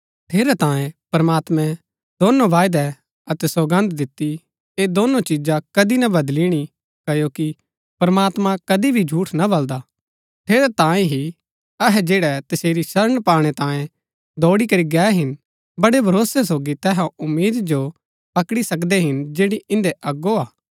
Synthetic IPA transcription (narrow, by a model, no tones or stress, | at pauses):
ʈʰeːɾɛt̪ãːjẽpɾɐmaːt̪mɛ̃ | d̪oːnõʋaːɪd̪ɛ | ɐt̪ɛsɐɡə̃nd̪d̪ɪt̪ːi | eːd̪oːnot͡ʃɪd͡ʒakɐd̪inɐbɐd̪liɽ̃i | kɐjoki | pɾmaːt̪mãkɐd̪ibʱid͡ʒʱuːʈʰnabɐld̪aː | ʈʰeːɾɛt̪ãːẽɦi | ɐɦɛd͡ʒeːɽɛt̪ɐseːɾiʃɐɾəɽ̃paːɽ̃ɛt̪ãːjẽ | d̪ɔːɽikɐɾiɡɛːɦɪn | bɐɽebʱɐɾoːsɛsoːɡit̪ɛːɦãʊmːiːd̪d͡ʒo | pɐkɽisɐk̬d̪eɦɪnd͡ʒeːɽiɪ̃nd̪eʔɐɡoaː